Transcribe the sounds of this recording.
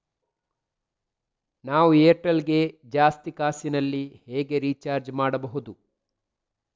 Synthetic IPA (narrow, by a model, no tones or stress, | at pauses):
naːʋueːʈɐlɡe̞d͡ʒaːst̪ikaːsinɐlːiheːɡe̞ɾiːt͡ʃaːɾd͡ʒmaːɽɐbɐɦud̪u